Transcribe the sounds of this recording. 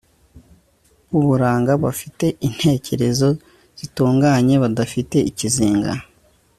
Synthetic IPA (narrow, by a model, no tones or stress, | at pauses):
uβuɾaːŋɡaβafite̞ʔin̥he̞cʰe̞ɾe̞zo̞ | z̥ituːŋɡaːɲe̞βadafite̞iciziːŋɡa̰